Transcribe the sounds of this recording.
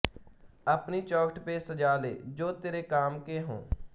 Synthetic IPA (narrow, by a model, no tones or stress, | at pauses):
əpniːt͡ʃɔːkʰʈpesəd͡ʒaːlḛːd͡ʒoːt̪eːɾeːkaːmkeːɦõ̰ː